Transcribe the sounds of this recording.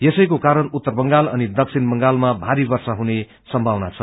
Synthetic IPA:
jesʌjkokaɾʌnut̪ːʌrbʌŋɡalʌnid̪ʌksʰinbʌŋɡalmabʱaɾibʌrsaɦune | sʌmbʱawnat͡sʰʌ

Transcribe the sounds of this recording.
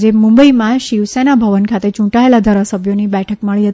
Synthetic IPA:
d͡ʒemũmbəimãʃiʋsenabʱəʋənkʰat̪et͡ʃũʈaelad̪ʱaɾasəbʱjonibɛʈʰəkməɭiɦət̪

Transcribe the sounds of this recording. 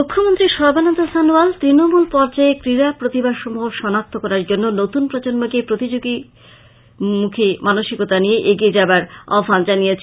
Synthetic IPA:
mukʰːomont̪ɾiʃɔbʱanont̪osanualt̪ɾinomulpɔɾd͡ʑaekɾiɾapɾot̪ibaʃomoɦoʃɔnat̚t̪ʰːokɔɾaɾd͡ʑonːonot̪unpɾod͡ʑonmokepɾot̪id͡ʑoɡi | mukʰimanoʃikot̪anieʔeɡied͡ʑabaɾa̰fand͡ʑanijet͡ɕʰe

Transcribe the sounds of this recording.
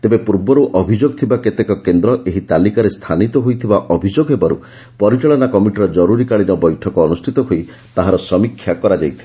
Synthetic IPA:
t̪ebepuɾbɔɾuʔɔbʱid͡ʒoɡɔt̪ʰibaket̪ekɔkend̪ɾɔʔeɦit̪alikaɾest̪ʰanit̪ɔɦojt̪ʰibaʔɔbʱid͡ʒoɡɦebaɾṵ | pɔɾit͡ʃaɭɔnakɔmiʈiɾɔd͡ʒɔɾuɾikaɭinɔbɔjʈʰɔkɔːnust̪ʰit̪ɔɦoi | t̪aɦaɾɔsɔmikʰːjakɔɾad͡ʒajt̪ʰile

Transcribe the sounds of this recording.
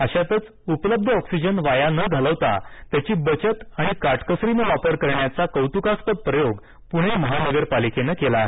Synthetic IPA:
əɕat̪ət͡s | upləb̚d̪ʱɔksid͡ʑənʋajanəɡʱələʋt̪a̰t̪jat͡ɕiːbət͡ɕət̪aɽ̃ikaʈkəsɾinəʋapəɾkəɾɳjat͡sakəwt̪ukaspət̪̚pɾəjoɡ | puɽ̃eməɦanəɡəɾpalikenəkelaːɦe

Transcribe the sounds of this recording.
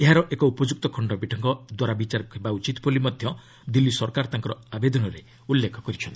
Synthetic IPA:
eɦaɾɔʔekɔupɔd͡ʒuk̚t̪ɔkʰɔɳɖɔbiʈʰɔŋkɔd̪waɾabit͡ʃaɾkʰebaut͡ʃit̪pɔlimɔd̪ʱjɔ | d̪ilːisɔɾkaɾɔt̪aŋkɔɾɔabed̪ɔnɔɾe | ulːekʰɔkɔɾit͡ʃʰɔnt̪i

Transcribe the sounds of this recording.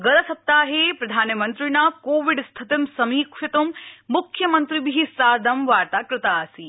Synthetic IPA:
ɡɐlɐsɐp̚t̪aːɦepɾɐd̪ʱaːnjɐmɐnt̪ɾinaːkoːʋiɖst̪ʰɐt̪ɐmsɐmiːkʂɐt̪umːukʰjɐmɐnt̪ɾibiɦisaːd̪ɐmʋaːɾt̪aːkɾɨt̪aːsi

